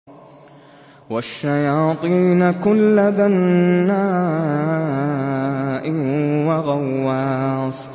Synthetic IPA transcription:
waʃːajɑːt̪ˤiːnakʊlːad̪anːaː | ʔɪwaɣawːaːs

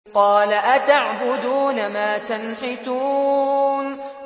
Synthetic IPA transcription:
qɑːlaʔat̪aʕbʊd̪uːnamaːt̪anħɪt̪uːn

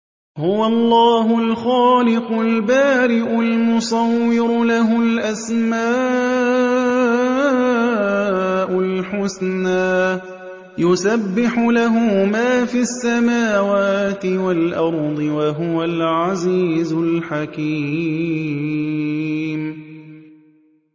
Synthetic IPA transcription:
hʊwalˤːɑːɦʊlxaːlɪqʊlbaːɾɪʔʊlmʊsˤɑwːɪɾʊlaɦʊlʔasma | ʔʊlħʊsnaː | jʊsabːɪħʊlaɦʊmaːfisːamaːwaːt̪ɪwalʔɑɾˤd̪ˤɨwaɦʊwalʕaziːzʊlħaki | m

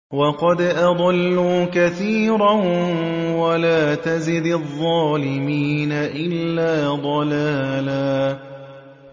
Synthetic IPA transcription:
wɑqɑd̪ʔɑd̪ˤɑlːuːkaθiːɾɑnwalaːt̪azɪd̪ðˤːɑːlɪmiːnaʔɪlːaːd̪ˤɑlaːlaː

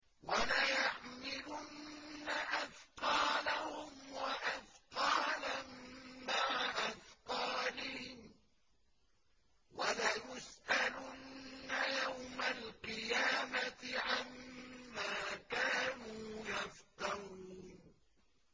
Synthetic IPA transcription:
walajaħmɪlʊnːaʔafqɑːlahʊmwaʔafqɑːlammaʕaʔafqɑːlɪhɪm | walajʊsʔalʊnːajawmalqɨjaːmat̪ɪʕamːaːkaːnuːjafqɑɾuːn

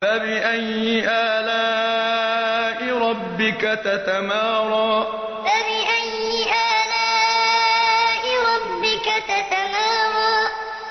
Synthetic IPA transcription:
abɪʔajːɪʔaːlaː | ʔɪɾˤɑbːɪkat̪at̪amɑːɾˤɑː | fabɪʔajːɪʔaːlaː | ʔɪɾˤɑbːɪkat̪at̪amaːɾˤɑː

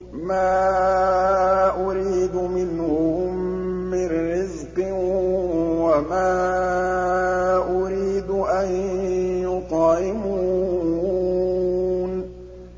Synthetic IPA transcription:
maː | ʔʊɾiːd̪mɪnhʊʊmːɪrːɪzqɨ | wamaː | ʔʊɾiːd̪ʔanjʊqɑːʔɪmuː | n

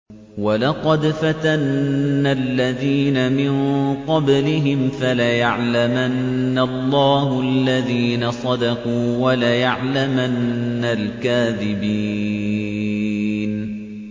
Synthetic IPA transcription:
walɑqɑd̪fat̪anːalːaðiːnamɪnqɑblɪɦɪmfalajaʕlamanːalˤːɑːɦʊʔalːaðiːnasˤɑd̪ɑquːwalajaʕlamanːalkaːðɪbiː | n

